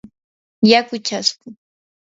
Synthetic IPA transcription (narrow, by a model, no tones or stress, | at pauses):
jakʊt͡ʃaskʊ